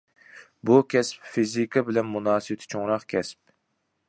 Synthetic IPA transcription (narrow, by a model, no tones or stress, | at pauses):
bukʲʰɛspfizikʰɨbɪlɛnmunɑːsɨbɪt̪ʰɪ̥t͡ʃʰoŋɾɑqkʲʰɛsp̚